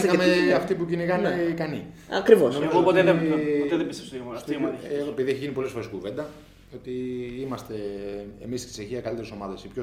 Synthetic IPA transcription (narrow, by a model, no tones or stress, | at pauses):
ɐmeɐft̪ipuciniɣɐnekɐniɐ̰kɾivosoopot̪eet̪eðebisesimmeoepiðie̞çiʝinipo̞lesfoɾe̞skuve̞nd̪ɐ | o̞t̪iimɐst̪e̞ḛmist̪i̥seçiɐkɐlit̪eɾeso̞mɐðesipço